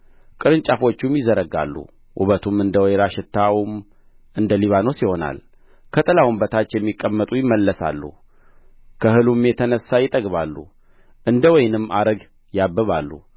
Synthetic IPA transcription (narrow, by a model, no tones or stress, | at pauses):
kʼɨɾɨnt͡ʃʼafo̞t͡ʃːumjɪzəɾəɡa̰lːṵ | ʔṵβət̪ʰumɨnd̪əwjɾaʃɪt̪ʰːawm | ɨnd̪əliβano̞siho̞na̰l | kʰət̪ʼəlawumbət̪ʰat͡ʃːjɛmːikʼːəmːət̪ʼujɪmːəlːəsa̰lːṵ | kʰəhɨlumjɛt̪ʰənəsːajɪt̪ʼəɡβalːṵ | ʔɨnd̪əwɔjnɨmːaɾəɡ | jabːəβalːṵ